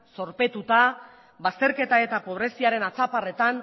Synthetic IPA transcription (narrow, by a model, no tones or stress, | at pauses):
so̞ɾpe̞t̪ut̪a | βast̪e̞ɾke̞t̪ae̞t̪apo̞β̞ɾe̞siaɾe̞nat͡sapare̞t̪an